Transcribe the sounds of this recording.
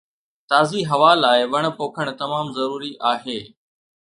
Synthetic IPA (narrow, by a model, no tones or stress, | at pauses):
t̪aːziɦɐʋaːlaːɪʋɐɽ̃̆poːkʰəɽ̃t̪ɐmaːmzɐɾuːɾiʔaːɦeː